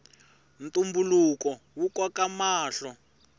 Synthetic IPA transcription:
n̩tumbulukɔ | wukɔkamaːɬɔ

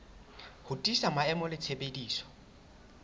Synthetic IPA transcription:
hʊtʼisamaɛmɔlɪt͡sʰebediːsɔ̥

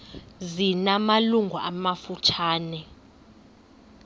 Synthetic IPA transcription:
zinamaluŋɡʱuamafut͡ʃʰaːnɛ

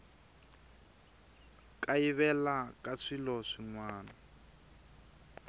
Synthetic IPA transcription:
kaiβɛlakʼaʂilɔʂiŋwaːna

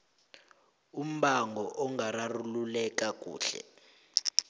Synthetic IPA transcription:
um̩ɓaŋʱɔʔɔŋararululɛk̬ʼak̬ʼṵːɬɛ̰

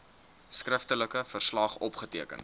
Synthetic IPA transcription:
skrəftələkəfərslɑχɔpχətiəkə̰n

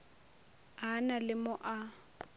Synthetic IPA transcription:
ɦanalɪmʊʔa

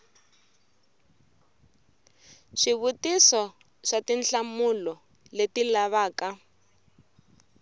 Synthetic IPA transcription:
ʂiβutisɔ | ʂatinɬamulɔ | letilaβaːka

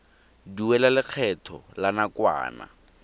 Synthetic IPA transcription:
diwɛlalɪk͡xʰɛtʰɔ̰lanakwa̰ːna̰

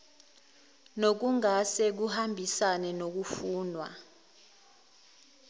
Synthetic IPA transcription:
nok̬uŋasɛk̬uhambʱisanɛnok̬ufuːnwa̰

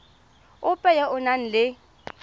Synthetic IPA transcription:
ʊpʼɛjɛʔʊnan̩lɪ

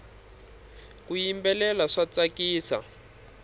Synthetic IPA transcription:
kujimbɛlɛlaʂat͡sakiːsa̰

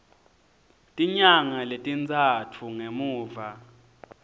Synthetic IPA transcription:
tʼiɲaŋaletʼint͡sʼatʰuŋemuːva

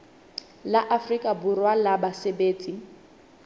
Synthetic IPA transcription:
laʔafrikʼaburwalabasebeːt͡sʼi

